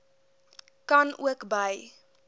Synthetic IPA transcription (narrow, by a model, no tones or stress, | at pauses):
kɐnṵəkbəj